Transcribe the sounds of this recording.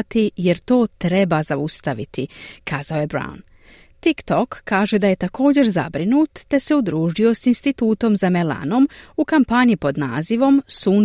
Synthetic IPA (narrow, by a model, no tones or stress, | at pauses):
t̪ije̞ɾt̪o̞ːt̪ɾebazaust̪aʋit̪ikʰaːzaoje̞bɾa̰ṵn | t̪ikt̪o̞kʰːaːʒe̞d̪aje̞t̪ako̞ːd͡ʑe̞ɾza̰bɾinuːt̪t̪e̞se̞ud̪ɾuːʒio̞sinst̪it̪uːt̪o̞mzamela̰no̞mukampaɲipo̞d̪na̰ːziʋo̞msuːn